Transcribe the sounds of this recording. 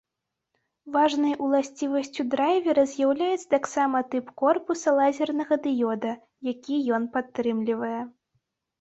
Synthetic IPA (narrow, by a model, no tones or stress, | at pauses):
vaʐnɐjʔulˠasʲt͡sʲivɐsʲt͡sʲud̪ɾajvʲɛɾɐzʲjawlʲajɛt̪sɐ̥t̪aksamɐt̪ɨpkɔrpusɐlˠazʲɛrnɐɣɐd̪ɨjɔd̪ɐ | jakʲijɔn̪pat̪ːɾɨmlʲivɐjɛ